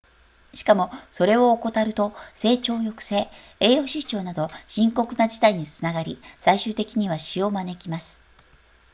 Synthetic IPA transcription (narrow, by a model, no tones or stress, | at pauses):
ɕi̥kamo̞so̞ɾe̞oːko̞t̪aɾɯ̟t̪o̞se̞ːt͡ɕo̞ːjo̞kɯ̥se̞ː | eːo̞ɕit͡ɕo̞ːnad̪o̞ɕĩŋko̞kɯ̟nad͡ʑi̥t̪aiɲ̟it͡sɨnaɡaɾʲisaiɕɨːt̪e̞kʲiɲ̟iβaɕio̞mane̞kʲimasɨ̥